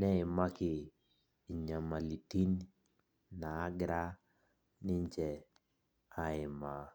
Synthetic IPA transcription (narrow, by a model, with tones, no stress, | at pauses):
nɛ˦ɪ˨ma˦kɪː˨ | ɲa˨ma˨li˨ti˦n | naː˨˦ɡɾa˦ | nɪ˦ɲt͡ʃɛ˨ | a˨ɪ˨ma˨